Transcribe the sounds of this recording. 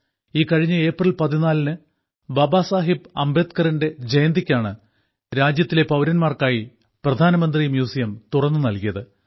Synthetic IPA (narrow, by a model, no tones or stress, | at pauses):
iːkɐɻiɲːɨe̞ːprɐlpɐðinaːlnɨ | bɐbaːsaːɦipɐ̰mbe̞ːd̪kɐrinde̞d͡ʑejɐnd̪ikʲːaːɳɨ | ɾaːd͡ʑjɐt̪ːile̞pɐwɾɐnmaːrkaːji | prɐd̪ʱaːnɐmɐnd̪rimjuːsijɐmt̪urɐnːɨnɐlkijɐðɨ